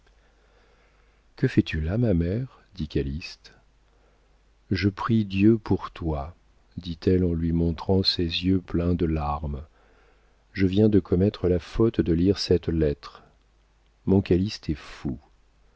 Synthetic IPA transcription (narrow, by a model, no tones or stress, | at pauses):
kəfɛt̪ylamamɛʁ | d̪ikalist̪ | ʒəpχid̪jøpuʁt̪wa | d̪it̪ɛlɑ̃lɥimɔ̃t̪χɑ̃sezjøplɛ̃d̪əlaʁm | ʒəvjɛ̃d̪əkʰɔmɛt̪χəlafɔt̪d̪əliʁsɛt̪lɛt̪χ | mɔ̃kalist̪ɛfu